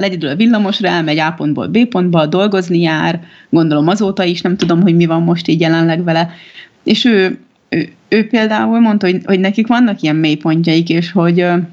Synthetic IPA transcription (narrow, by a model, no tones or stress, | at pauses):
lɛɟɛd̪ylɒvilːɒmo̞ʃrɒɛlmɛɟaːpo̞nd̪bo̰lbeːpo̞nd̪bɒd̪o̞lɡo̞znijaːr | ɡond̪o̞lo̞mɒzoːt̪ɒiʃnɛmt̪ud̪o̞mɦo̞ɟmivɒmːo̞ʃt̪iːɟjɛlɛnlɛɡʋɛlɛ | eːʃøː | øːpeːld̪aːulmo̞nt̪ɒho̞ɟho̞ɟnɛkikʋɒnːɒkijɛmmeːjpo̞ɲcɒikeːʃho̞ɟ